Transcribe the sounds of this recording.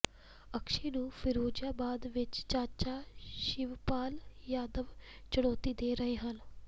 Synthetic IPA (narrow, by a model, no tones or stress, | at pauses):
əkʃeːnũːpʰɪɾoːd͡ʒaːbaːd̪ʋɪt͡ʃt͡ʃaːt͡ʃaːʃɪʋpaːljaːd̪əʋt͡ʃəɽ̃ɔːt̪iːd̪eːɾəɦeːɦən